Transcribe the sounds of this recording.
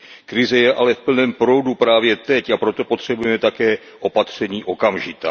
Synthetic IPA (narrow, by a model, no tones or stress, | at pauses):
kɾɪzɛjɛʔalɛfpl̩nɛːmpɾo̞wdupɾaːvjɛt̪ɛcapɾo̞t̪o̞po̞t̪r̥ɛbujɛmɛt̪akɛː | ʔo̞pat̪r̝̥ɛɲiːʔo̞kamʒɪt̪aː